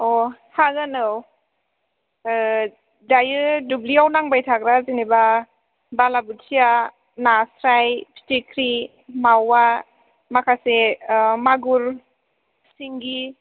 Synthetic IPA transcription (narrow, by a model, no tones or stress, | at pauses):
ɔhaɡɯnɯw | dajɯdubliawnaŋbajtʰak̚ɾaziniba | balabutsija | nasɾajpʰi̥tikʰɾi | mawa | makʰasemaɡuɾ | siŋɡi